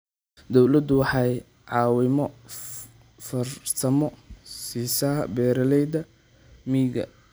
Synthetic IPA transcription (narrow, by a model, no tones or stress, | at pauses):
d̪ɔwlɐd̪ʊwɑħɑj | ʕɑːwɪmɔ | fɐrt̪ʰɐmɔsiːsaːbɛːɾɐlɛjd̪ɐ | miːɡɐ̰